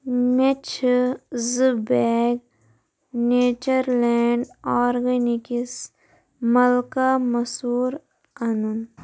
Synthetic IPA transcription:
met͡ʃʰzɨbeɡ | neːt͡ʃɐɾleːɳɖɔːɾɡɐnikis | mɐlkamɐsuːɾ | ɐnun

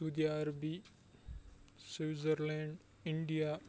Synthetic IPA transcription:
ud̪jaːɾbi | siwzɐɾlẽɳɖ | iɳɖija

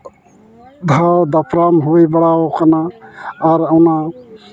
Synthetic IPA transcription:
d̪ʱad̪apʰɾamɦuibəɽaokənaː | ɾawna

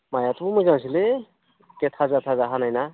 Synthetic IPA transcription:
majat̪ʰuumuzaw̃sile | ket̪ʰazat̪ʰazaɦanajna

